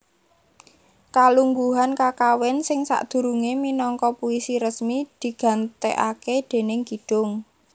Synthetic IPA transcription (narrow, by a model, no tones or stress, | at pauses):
kaluŋɡuɦankakawɛnsɪŋsa̰ʔd̪̥ṳɾuŋeminɔŋkɔpuisiɾəsmid̪̥i̤ɡ̥ä̤nt̪ḛʔaked̪̥e̤nɪŋɡ̥i̤ɖ̥ʊŋ